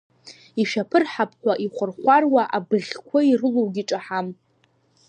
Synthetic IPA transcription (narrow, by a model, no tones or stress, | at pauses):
iʃᶣapʰɨrħapʰʼħʷaʔiχʷʊrχʷarwaʔabɨʁʲkʷʰairɨlowɡʲiʈ͡ʂʼaħam